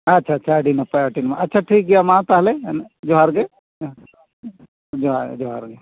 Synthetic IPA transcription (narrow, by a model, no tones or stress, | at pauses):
ɐtːʃʰaɐtːt͡ʃʰaɖinɐpaəʈinmaɐtːʃʰaʈʰiːk̚ɡijamãt̪aɦled͡ʒoɦaɾɡe | d͡ʒoad͡ʒoɦaɾɡe